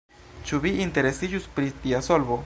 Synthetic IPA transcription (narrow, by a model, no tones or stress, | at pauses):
t͡ʃuviinte̞ɾe̞sid͡ʒuspɾit̪iasolbo